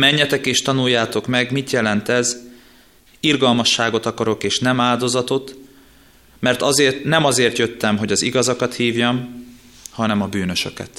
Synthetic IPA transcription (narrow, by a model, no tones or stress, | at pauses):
mɛɲːɛt̪ɛkeːʃt̪ɒnujːaːt̪o̞kmɛɡmit̪jɛlɛnt̪ɛz | irɡɒlmɒʃːaːɡo̞t̪ɒkɒɾo̞keːʃnɛmaːld̪o̞zɒt̪o̞t̪ | mɛrt̪ɒzeːrt̪nɛmɒzeːrt̪jø̞t̪ːɛmɦo̞ɟɒziɡɒzɒkɒt̪hiːvjɒm | hɒnɛmɒbyːnø̞ʃøkɛ̰t̪